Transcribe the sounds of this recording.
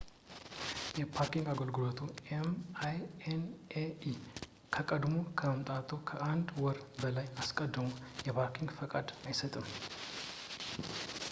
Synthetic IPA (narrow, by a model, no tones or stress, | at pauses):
jɛpʰaɾkiŋɡaɡəlɡɨlot̪ʰuʔemajenei | kʰəkʼəd̪mokʰəməmt̪ʼat̪ʰo̞kʰəʔand̪wɔɾbəlajaskʼəd̪ːɨmojɛpʰaɾkiŋɡfəkʼad̪ajsət̪ʼɨm